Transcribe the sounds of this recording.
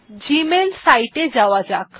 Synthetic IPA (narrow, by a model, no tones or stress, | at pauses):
d͡ʑimelsajʈed͡zaʋad͡zak